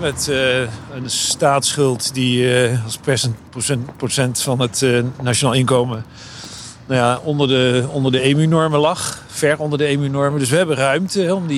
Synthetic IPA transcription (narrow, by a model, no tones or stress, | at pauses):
mɛt | ənstaːtsχɵlˠtdiɑlˠsprɛsənposɛprosɛntfɑnətnat͡ʃonaːlˠɪnkowmə | najaɔndəɹdəɔndəɹdəejmynɔɹməlɑχ | fɛɹɔndəɹdəejmynɔɹməndɵsʋəɦɛbənrœɥmtəɦɛɔmdi